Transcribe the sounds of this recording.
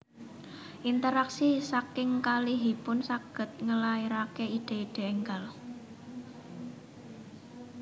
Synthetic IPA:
ʔint̪əɾaksisakɪŋkaliɦipʊnsaɡ̥ə̤t̪̚ŋəlaiɾakeid̪̥e̤iɖ̥e̤ɛŋɡal

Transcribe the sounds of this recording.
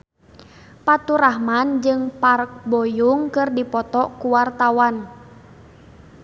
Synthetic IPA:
pat̪uɾahmand͡ʒɨŋpark̚bɔjuŋkɨrdipɔt̪ɔkuwart̪awan

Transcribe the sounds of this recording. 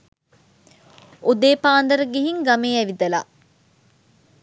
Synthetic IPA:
ud̪eːpaːnd̪ɐɾəɡiɦiŋɡameːæʋid̪ɐla̰

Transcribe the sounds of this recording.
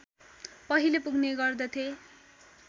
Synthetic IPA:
pʌɦilepuɡneɡʌrd̪ʌt̪ʰje

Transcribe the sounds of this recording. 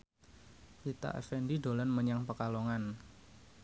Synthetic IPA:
lit̪a̰ʔɛ̰fɛndiɖolanməɲaŋpəkaloŋan

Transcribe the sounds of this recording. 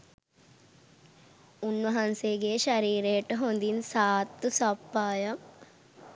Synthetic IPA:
unːʋɐɦanseɡeːʃɐɾiːɾeʈəɦond̪insaːt̪ːusapːaːjɐm

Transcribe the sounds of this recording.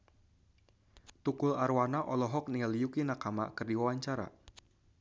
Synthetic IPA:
t̪ukʊlarwanaʔɔlɔɦɔk̚nialjukinakama̰kɨrdiwawaɲt͡ʃaɾa̰

